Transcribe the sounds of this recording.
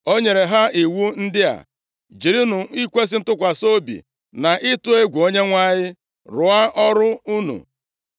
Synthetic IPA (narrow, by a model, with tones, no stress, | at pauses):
o˦ɲe˨ɾe˨ɦa˦i˨wu˦n̩˦dɪ˦a̰˨ | d͡ʒi˨ɾi˦nu˨i˦kʷe˦s̬ɪ˦n̩˦tʊ˦kʷa˨so˦bḭ˨ | na˨ʔɪ˦tʊ˦e˦ɡʷu˨o˦ɲe˦ŋʷa˦˨ɲɪ˦ | ɾʊ˨˦a˦ʔɔ˦ɾʊ˦u˦nṵ˨